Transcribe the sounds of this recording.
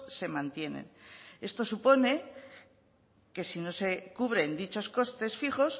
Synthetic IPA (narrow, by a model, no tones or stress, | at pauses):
se̞mãnt̪je̞nḛne̞st̪o̞supo̞ne̞ | ke̞sino̞se̞kuβ̞ɾe̞nd̪it͡ʃo̞sko̞st̪e̞sfiχo̞s